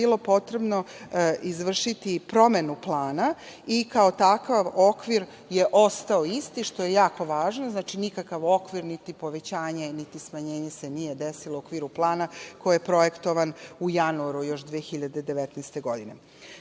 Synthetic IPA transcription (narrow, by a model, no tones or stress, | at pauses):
ilˠo̞po̞t̪ɾe̞bno̞izʋr̩ʃit̪ipɾo̞me̞nuplˠaːna | ikao̞t̪akaʋo̞kʋiɾ | je̞ʔo̞st̪ao̞ist̪iʃt̪o̞je̞jaːko̞ʋaːʒnoznaːt͡ʃinikakaʋo̞kʋiɾnit̪ipo̞ʋe̞t͡ɕaːɲe̞nit̪ismaɲe̞ːɲese̞nije̞d̪esilˠookʋiːɾuplˠaːnako̞jijepɾoje̞kt̪o̞ʋanujanuaɾujo̞ʃd̪ʋexiʎad̪ed̪e̞ʋet̪nɛst̪e̞ɡo̞d̪ine̞̰